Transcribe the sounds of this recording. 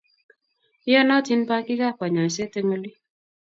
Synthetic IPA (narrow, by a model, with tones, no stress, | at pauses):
ɪ˦ɔ˦na˦ti˦npa˦kɪ˦ka˦˨pa˨ɲɔ˨i˨se˦te˦ŋo˦li˦